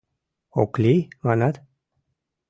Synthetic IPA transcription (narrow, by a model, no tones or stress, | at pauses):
oklimanat̪